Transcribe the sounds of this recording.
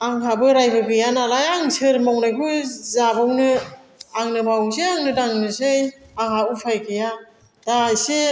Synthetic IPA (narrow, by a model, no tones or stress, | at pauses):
aŋɦabɯɾajbɯɡɯjanalajaŋsɯɾmɔwnajkʰuzabawnɯ | aŋnɯmawŋseaŋnɯdaŋnɯsɯjaŋɦhaupʰajkʰeja | d̥ajse